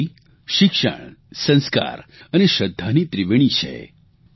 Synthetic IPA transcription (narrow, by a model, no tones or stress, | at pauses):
ʃɪkʃə̰ɳ̃sə̃nska̰ɾəneʃəd̪ʱːanit̪ɾiʋeɽ̃it͡ʃʰḛ